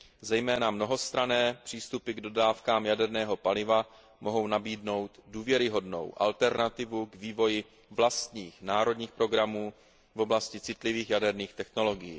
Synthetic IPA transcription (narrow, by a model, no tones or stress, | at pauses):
zɛjmɛːnamno̞ɦo̞st̪ɾanɛːpr̝̥iːst̪upɪɡdo̞daːfkaːmjadɛɾnɛːɦo̞palɪva | moɦo̞wnabiːdno̞wt̪duːvjɛɾɪɦo̞dno̞̰wʔa̰lt̪ɛɾnat̪ɪvuɡviːvo̞jɪ | vlast̪ɲiːxnaːɾo̞dɲiːxpɾo̞ɡɾamuː | vo̞blascɪt͡sɪt̪lɪviːxjadɛɾniːxt̪ɛxno̞lo̞ɡɪjḭː